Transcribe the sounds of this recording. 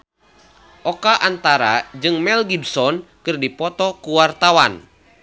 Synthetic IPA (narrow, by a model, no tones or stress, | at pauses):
ʔɔkaʔant̪aɾa̰d͡ʒɨŋmɛlɡibsɔnkɨrdipɔt̪ɔkuwart̪awan